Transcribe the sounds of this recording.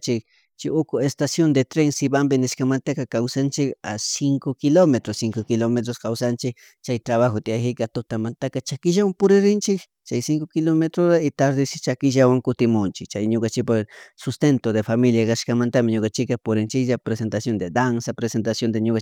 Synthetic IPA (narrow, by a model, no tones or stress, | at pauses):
t͡ʃɪk̚ | t͡ʃɪʊkʊest̪asjond̪et̪ɾeŋsɪbambɪnɪʃkamant̪akakawsant͡ʃɪkasɪŋkokɪlomet̪ɾosɪŋkokɪlomet̪̬ɾoskawsant͡ʃɪk | t͡ʃajt̪ɾaβaxot̪iaxɪkat̪ʊt̪amant̪akat͡ʃakɪʒawampʊɾeɾɪnt͡ʃɪk | t͡ʃajsɪŋkokɪlomet̪ɾoɾaɪt̪aɾd̪ɪt͡ʃɪt͡ʃakɪʒawaŋkʊt̪ɪmʊnt͡ʃɪkt͡ʃajɲokant͡ʃɪk̚pasʊst̪ent̪od̪efamiljakaʃkamant̪amɪɲokant͡ʃɪkapʊɾɪnt͡ʃɪkʒapɾesent̪asjond̪ed̪ansapɾesent̪asjond̪eɲoka